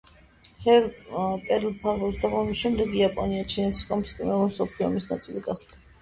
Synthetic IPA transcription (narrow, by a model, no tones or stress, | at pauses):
hɛɾpʼɛɾlpʰaɾvɔsd̪aʁɔmisʃɛmd̪ɛɡiapʼɔniat͡ʃʰinɛt̪ʰiskʼɔmskʼimɛlɔɾsɔpʰliɔ̰misnat̪sʼiliɡaχd̪̥a